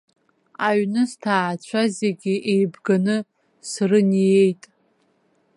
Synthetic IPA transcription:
aɥnɨstʰaːt͡ɕʷʰazeɡʲɪʔejbɡanɨ | srɨnije̞jtʼ

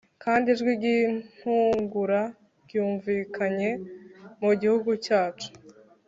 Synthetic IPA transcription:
kaːndiʒɡwiɡin̥huŋɡuɾa | ɡjuːɱviːkaɲe̞muɟihuɡucaːt͡ʃu̥

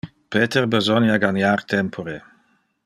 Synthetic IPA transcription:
peːt̪erbezɔnjaɡanjart̪ʰɛmpʰoɾe

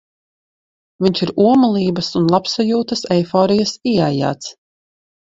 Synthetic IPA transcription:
viɲʲt͡ʃiɾuɔmalˠiːbɐsunlˠapsajuːt̪ɐsɛjfɔːɾijasiaja̰ːt̪s

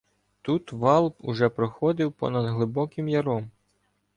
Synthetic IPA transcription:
t̪ut̪ʋɑlˠpʊʒɛpɾɔxɔd̪ɪwpɔ̰nɐd̪ɦlˠɪbɔkɪmjɐɾɔm

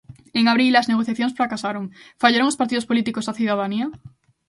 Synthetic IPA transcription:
eŋaβ̞ɾilazneɣoθjaθjoŋsfɾakasaɾoŋfaʎaɾoŋospaɾt̪iðospolit̪ikosaθuð̞að̞ania

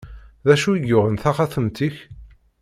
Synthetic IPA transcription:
ðæʃuiʝʊʁənθaχaθəmt̪iç

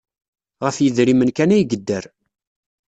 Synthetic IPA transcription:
ʁəfjəðɾimənkænæjɡəd̪ːəɾ

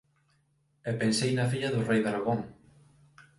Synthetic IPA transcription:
ɛpensejnɐfiʎɐðʊrejðaɾaɣoŋ

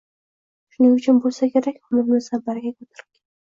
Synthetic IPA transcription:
ʃʊnɪŋʊt͡ʃʰʊnbolˠsakʲʰeɾakʲʊmʊɾmɪzabaɾɡʲakʰʲɵt̪ʰɪɾɪkʲʰan

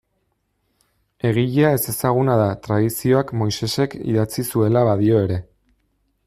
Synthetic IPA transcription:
e̞ɣ̞iʎeae̞se̞saɣ̞unaðat̪ɾaðisio̞akmo̞jse̞se̞kḭðat͡sisue̞laβaðio̞e̞ɾe̞

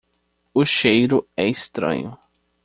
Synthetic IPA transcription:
ʊʃejɾʊɛɪst̪ɾɐ̰̃ɲʊ

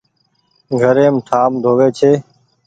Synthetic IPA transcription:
ɡʱəɾẽːmʈʰaːmd̪ʱoːʋeːt͡ʃʰeː

